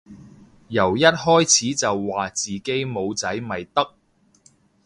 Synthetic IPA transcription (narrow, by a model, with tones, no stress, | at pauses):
jɐ˨˩wjɐ˥t̚hɔː˥jt͡sʰiː˨˥t͡sɐ˨wːaː˨t͡siː˨˩ke˥jmo˨˧wt͡sɐ˨˥jmɐ˨jt̪ɐ˥k̚